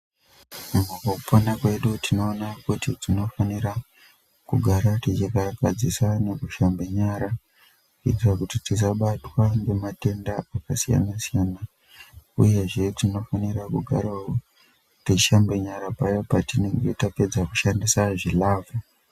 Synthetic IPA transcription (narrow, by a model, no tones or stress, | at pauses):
mumwokokuponakwe̞ɗutino̞ːnakutid͡zino̞faniɾa | kuɡʱaɾatit͡ʃikakad͡zisane̞kuʃambeɲaɾa | ḭtikakutitis̬aɓatwaŋɡe̞mate̞ndaakasija̰nasijaːna | uje̞ʐe̞tino̞faniɾakuɡʱa̰ɾao | tiiʃambe̞ɲaɾapajo̞patine̞ŋɡe̞tape̞d͡zaku̥ʃandisaʐilaːvo